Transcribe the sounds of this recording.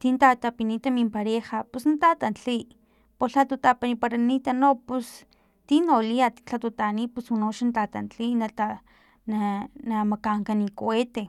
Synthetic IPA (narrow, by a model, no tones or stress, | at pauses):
t̪int̪at̪apinit̪amimpaɾexapusnt̪at̪ant͡ɬi | poɬat̪ut̪apanipaɾanit̪anopus | t̪inoliat̪t͡ɬat̪ut̪anipuswanoʃant̪at̪a̰nt͡ɬinaa | nanamakaŋkanikoet̪e